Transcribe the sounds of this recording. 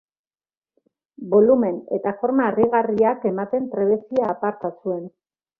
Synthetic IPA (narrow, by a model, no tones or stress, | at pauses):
bo̞lume̞ne̞̰t̪afo̞ɾmaːriɣariake̞mat̪e̞mpɾe̞βe̞siaːpaɾt̪asue̞n